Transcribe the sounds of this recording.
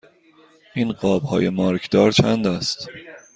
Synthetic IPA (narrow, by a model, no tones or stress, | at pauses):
ʔiːnɢɒːb̥hɒːjemɒːɾkʰd̪̥ɒːɾt͡ʃʰænd̪æst̪